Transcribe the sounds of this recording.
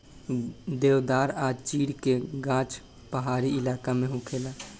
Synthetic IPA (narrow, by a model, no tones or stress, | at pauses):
d̪ewd̪aːɾat͡ʃiːɽkeɡãt͡ʃ | pəɦaɾiilakameɦũkʰela